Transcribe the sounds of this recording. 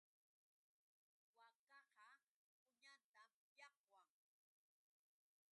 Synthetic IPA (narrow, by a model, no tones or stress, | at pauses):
wakɑhɑ | ʊɲant̪am | jɑqwaŋ